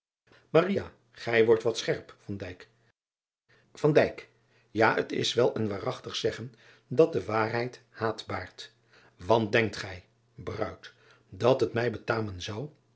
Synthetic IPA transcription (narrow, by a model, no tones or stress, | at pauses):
maria | χɛjʋɔɹtʋɑtsχɛɹpfɑndɛjk | fɑndɛjk | jaːə̰tɪ̰sʋɛlˠənʋaːrɑχtəχsɛχən | dɑt̚dəʋaːrɦɛjt | haːtbaːɹt | ʋɑn̚dɛŋk̚tχɛj | brœ̰ɥt | dɑtɦətmɛjbətaːmənzɑw